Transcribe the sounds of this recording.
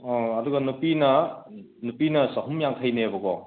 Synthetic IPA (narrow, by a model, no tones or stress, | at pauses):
ɐduɡɐnupinɐ | nupinɐsɐɦumjaŋtʰɐjnebɐɡɔ